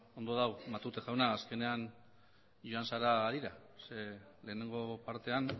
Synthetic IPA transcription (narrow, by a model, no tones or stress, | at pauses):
o̞nd̪o̞ðawmat̪ut̪eʝawnaːske̞ne̞an | ʝoansaɾaðiɾasele̞ːne̞ŋɡo̞paɾt̪e̞an